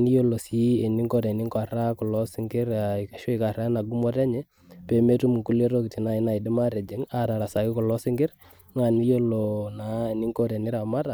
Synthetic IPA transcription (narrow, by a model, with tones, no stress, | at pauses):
ni˦jo˦lo˨si˦ɛ˨ni˦ŋkɔ˦˨ɾɛ˨nɪ˦ŋka˨ɾa˦kɔ˨lɔ˦sɪ˦ŋɡɪ˦ɾa˨ka˨ʃɔ˦i˦ka˨ɾa˦na˨ɡu˦mɔ˦tɛ˦ɲɛ˦ | pɛ˨me˦tu˦mu˨ŋku˦le˦ɾo˦ki˨ti˨na˨ɪ˦na˨i˨dɪ˦ma˦ɾɛ˨d͡ʒɛ˨˦ŋa˨ɾa˨ɾa˨sa˨kɪ˦kɔ˨lɔ˦sɪ˦ŋɡɪ˦ɾ | ŋa˨ni˦jo˦lo˨na˨ɛ˨ni˦ŋkɔ˦ɾɛ˨nɪ˦ɾa˨ma˦ta˨